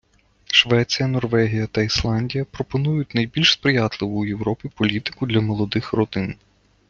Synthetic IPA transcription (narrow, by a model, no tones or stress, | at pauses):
ʃʋɛt͡sʲijɐnɔrʋɛɦʲijɐt̪ɐislˠɑnʲdʲijɐpɾɔpɔnujʊt̚ʲnɐjbʲilʲʃspɾɪjɑt̪lˠɪʋʊːjewɾɔpʲipɔlʲit̪ɪ̥kʊd̪lʲɐmɔlˠɔd̪ɪxrɔd̪ɪn